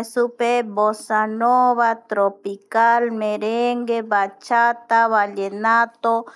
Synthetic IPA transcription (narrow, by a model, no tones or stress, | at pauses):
supebosanoβat̪ɾopikalmeɾeŋɡebat͡ʃat̪aβaʎenat̪o